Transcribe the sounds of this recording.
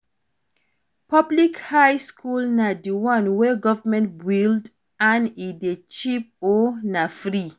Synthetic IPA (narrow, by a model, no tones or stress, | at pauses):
pɔblikhajskʰulnadiwɔ̃nwɛɡɔvəmɛ̃ntbwild | ãnidet͡ʃip̚ɔnafɾi